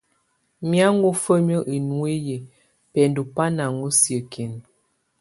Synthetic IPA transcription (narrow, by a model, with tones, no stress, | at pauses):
mja˦ŋ˦ɡo˦fə˦m˦ə˦ʔi˨nwe˦je˨ | pɛ˨n˦du˨pa˦na˨ŋo˦sjə˨kʰe˨n